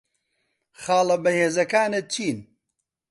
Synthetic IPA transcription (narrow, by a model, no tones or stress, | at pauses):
xaːlˠɐbɐheːzɐkaːnet͡ʃʰiːn